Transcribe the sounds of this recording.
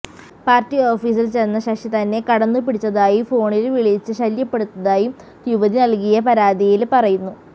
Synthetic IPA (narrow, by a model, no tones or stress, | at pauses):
paːrtːio̞ːfiːsilt͡ɕenːɐɕɐkʂit̪ɐnːe̞kɐɽɐnːup̬iɽit͡ɕːɐðaːjifo̞ːɳilʋiɭit͡ɕːɨɕɐljɐpːe̞ɽut̪ːɐðaːji | juʋɐðinɐlkijɐpɐɾaːd̪ijilpɐrɐjunːu